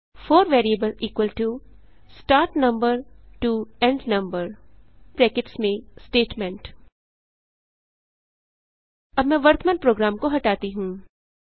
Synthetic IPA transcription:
foːɾʋeːɾiebəliːkwəlʈu | sʈaːɾʈnɐ̃mbəɾʈuːɛ̃ɳɖnɐ̃mbəɾpɾɛːkɪʈsmẽsʈeːʈmɛ̃ɳʈ | ɐbmɛ̃ʋɐɾt̪ʰməːnpɾoːɡɾaːmkoɦɐʈaːt̪iɦũː

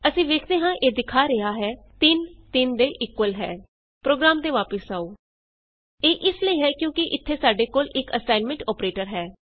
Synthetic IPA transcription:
əsĩːʋeːkʰd̪eːɦãːʔeːd̪ɪkʰaːɾɪɦaːɦɛːt̪ɪnt̪ɪnd̪eːʔɪkwəlɦɛ̰ː | pɾoːɡɾaːmt̪eːʋaːpəsaːoː | eːʔɪsləiːɦɛːkjõːkɪʔɪt̪ʰːeːsaːɖeːkoːlɪkəsaːɪnmə̃ɳʈɔːpɾeːʈəɾɦɛː

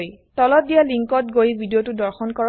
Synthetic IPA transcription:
jtɔlɔt̚dijaliŋkɔtɡojbʱidijotudɔɹxɔnkɔɹ

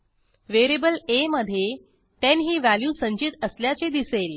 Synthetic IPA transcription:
ʋeɾibəleməd̪ʱːje | t̪enɦiːʋæljuːsəɲt͡ɕit̪əsljat͡sed̪isel

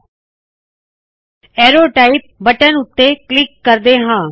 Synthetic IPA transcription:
ɛːɾoːʈaːip̚bəʈənʊt̪ːeːklɪkːəɾd̪eːɦãː

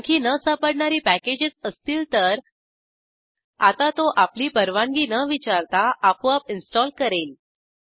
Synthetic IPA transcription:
kʰiːnəsapəɽɳaɾiːpæked͡ʑet͡səst̪iːlt̪əɾ | a̰t̪at̪oʔapliːpəɾʋãŋɡiːnəʋit͡ɕaɾt̪aʔːpuapinsʈɔlkəɾeːl

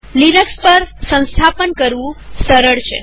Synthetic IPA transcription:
linəkspəɾsə̃w̃st̪ʰapənkəɾʋũsəɾəɭt͡ʃʰḛ

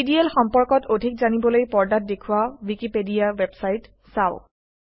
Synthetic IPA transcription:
idiɛlxɔmpɔɹkɔtodʱikzanibɔlojpɔɹdat̚dekʰuwawikipedijawebsajt | saʊ

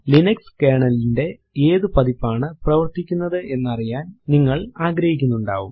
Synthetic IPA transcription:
linɐkskeːɳɐlinde̞ | eːðɨpɐðipːaːɳɨprɐʋɐrt̪ikʲːunːɐðɨʔe̞nːɐrijaːnniŋːɐɭaːɡɾɐhikʲːunːuɳɖa̰ːʋum

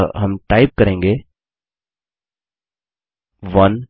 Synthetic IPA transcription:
ɦɐmʈaːɪp̚kɐɾẽːŋɡe | ʋɐn

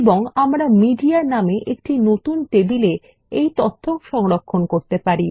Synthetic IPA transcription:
boŋamɾamiɖiaɾnameʔek̚ʈinot̪unʈebile | ejt̪ot̪ʰːoŋʃɔŋɾokʰːonkoɾt̪epaɾi

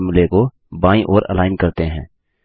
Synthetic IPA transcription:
mɪleko | baːĩʔoːɾə̰laːɪnkɐɾt̪eɦɛ̃ː

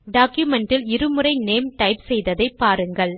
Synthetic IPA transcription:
ɖaːkjumɛɳʈɪlɪɾɯmɯrɐɪneːmʈɐɪpsɛjðɐðɐɪpːaːɾɯŋɡɐɭ

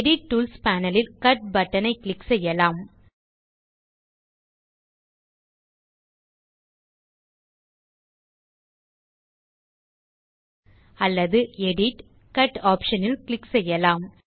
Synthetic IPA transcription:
ɽɪʈ̚ʈːuːlspaːnɐlɪlkɐʈ̚bɐʈːɐnɐɪklɪksɛjːɐlaːm | ɐlːɐðɯɛɽɪʈ | kɐʈaːpʂɐnɪlklɪksɛjːɐlaːm

